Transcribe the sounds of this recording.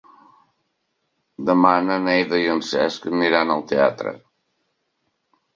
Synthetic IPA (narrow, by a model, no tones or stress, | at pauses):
d̪əmanənejðəjənsɛskəmiɾanalˠt̪ea̰t̪ɾə̰